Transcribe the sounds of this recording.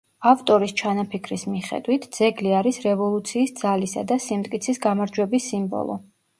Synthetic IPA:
aft̪ʼɔɾist͡ʃʰanapʰikʰɾismiχɛ̰d̪wit̪ʰd̪z̥ɛɡliaɾisɾɛvɔlˠut̪sʰiːsd̪z̥alisa̰d̪asimt̪ʼkʼit̪sʰisɡamaɾd͡ʒwɛbisːimbɔ̰lˠɔ̰

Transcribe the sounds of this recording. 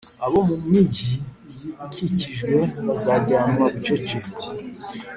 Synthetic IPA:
aβo̞mumiɟi | jiikʰiciʒɡwe̞βazaɟaːmmaβut͡ʃoci

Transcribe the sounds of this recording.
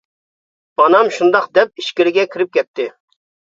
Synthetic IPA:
mɑnɑmʃund̪ɑqd̪ɛp̚iʃkʲɪɾɪɡʲɛkʲʰiɾɪp̚kʲʰɛt̪ʰːɪ

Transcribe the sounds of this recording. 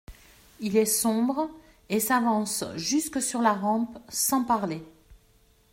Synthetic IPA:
ilɛsɔ̃bʁ | esavɑ̃sʒyskəsyʁlaʁɑ̃psɑ̃paʁle

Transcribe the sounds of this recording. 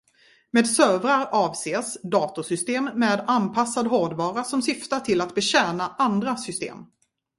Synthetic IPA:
meːd̪søːvɾaɾɑːvseːsd̪ɑːt̪ʊʂʏst̪eːmːeːd̪anpʰasːad̪ɦoːɖvɑːɾasɔmsʏft̪aʈʰɪlːat̪bɛɕɛːnaʔand̪ɾasʏst̪ḛːm

